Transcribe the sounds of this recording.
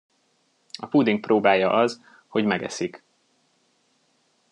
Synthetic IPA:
ɒpud̪iŋk̚proːbaːjɒʔɒz | ho̞ɟmɛɡɛ̰sik

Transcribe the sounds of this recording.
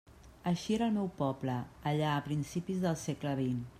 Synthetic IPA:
əʃieɾəlˠmɛwpɔbləːʎaəpɾinsipizðəlˠsekləβ̞in

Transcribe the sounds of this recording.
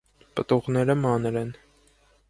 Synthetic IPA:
pət̪uʁnɛɾəmɑnɾɛn

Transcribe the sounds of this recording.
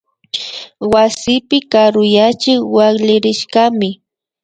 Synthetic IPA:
wasɪpɪkaɾʊjat͡ʃɪkwaχʎɪɾɪʃɢamɪ

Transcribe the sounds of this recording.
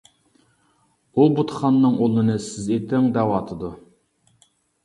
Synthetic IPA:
ubut̪ʰχɑnːɨŋolˠɨnɨsɪzet̪ɪŋd̪æwɑːt̪ʰɨd̪u

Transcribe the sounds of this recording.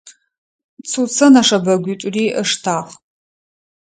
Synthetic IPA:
t͡sʰut͡sʰɐnaʂɐbɐɡʷʊtʷʼriːʔəʂtʰaːχ

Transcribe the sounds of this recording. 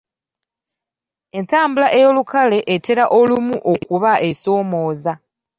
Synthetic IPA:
e̞ntaːmbulaʔe̞jo̞lukʰale̞ʔːte̞ɾaʔo̞lumuʔo̞kuβaʔe̞so̞ːmo̞ːza

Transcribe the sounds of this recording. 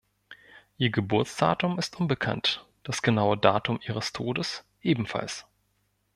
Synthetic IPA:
ʔiːɐɡəbʊɐt͡sd̥a̰ːtʊmɪstʔʊnbəkʰa̰nt | d̥asɡ̥ənaʊədaːtʊmʔiːʁ̞əstʰoːdəs | ʔeːbm̩fa̰ls

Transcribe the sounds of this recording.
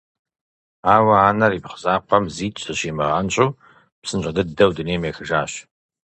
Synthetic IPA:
aːwɐaːnɐriːpχəzaːqʷɐmziːt͡ʃʼɐɕiːmɐʁɐnɕʼuw | psɨnɕʼɐdɨdɐwdɨneːmeːxɨʒaːɕ

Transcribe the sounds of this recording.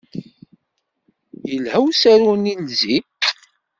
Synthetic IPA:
jəlhəwsæɾunilzi

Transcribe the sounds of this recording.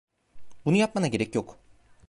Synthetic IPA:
bunujapmanaɟe̞ɾɛcjo̞k

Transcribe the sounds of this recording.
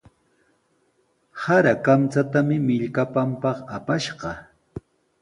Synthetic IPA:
haɾakamt͡sat̪amɪmɪʎkapampɑχapaʃɢɑ

